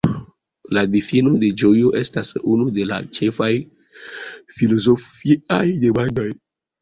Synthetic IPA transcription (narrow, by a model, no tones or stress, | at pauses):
ladifinode̞d͡ʒojoʔe̞stasunude̞la̰t͡ʃe̞faj | filozofiajdebandoj